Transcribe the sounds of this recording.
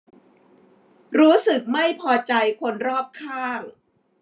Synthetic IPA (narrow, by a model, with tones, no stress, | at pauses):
ɾuː˦˥sɯ˨˩k̚ma˥˩jpʰɔː˧t͡ɕa˧jkʰo˧nɾɔː˥˩p̚kʰaː˥˩ŋ